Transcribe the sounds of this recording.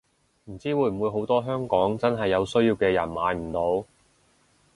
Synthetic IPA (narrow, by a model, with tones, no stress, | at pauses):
m̩˨˩t͡siː˥wuː˨˧jm̩˨wu˨˧jɦo˨˥wt̪ɔː˥ɦœː˥ŋkɔː˨˥ŋt͡sɐ˥nɦɐ˨jːɐ˨˧wsɵ˥ɥjiː˧wkɛː˧jɐ̰˨˩nmaː˨˧jm̩˨˩t̪o˨˥w